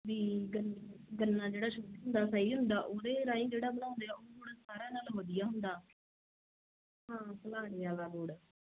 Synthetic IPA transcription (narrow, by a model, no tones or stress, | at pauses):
ʋiːɡənːɡənːãːd͡ʒeːɽaːʃoːd̪ɦʊnd̪aːsəiːɦʊ̃nd̪aːʔoːd̪eːɾãːĩːd͡ʒeːɽaːbəñãːnd̪eːaːoːboːɽasaːɾaːnaːlɦoːd̪ɪjaːɦʊnd̪aː | ɦãːsəlaːɽeːaːɡaːboːɽ